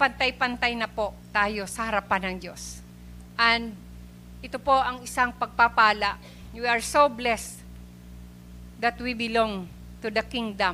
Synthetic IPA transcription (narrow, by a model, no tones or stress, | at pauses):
pɐnt̪ajpɐnt̪ajnɐpo̞ʔt̪aːjo̞sɐhɐɾɐpanɐŋd͡ʒo̞s | ʔɐnd̪̚ | ʔɪt̪opo̞ʔɐŋɪsaŋpɐɡ̚papaːlaʔ | wiɐɹsoblɛs | d̪ɐt̪wibɪloŋ | t̪ʊd̪ɐkiŋd̪ɐm